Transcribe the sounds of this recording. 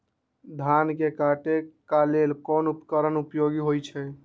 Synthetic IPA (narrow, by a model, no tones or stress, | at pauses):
d̪ʱankekaʈekalelkɔnupkəɾənupjoɡiɦojt͡ʃʰɛ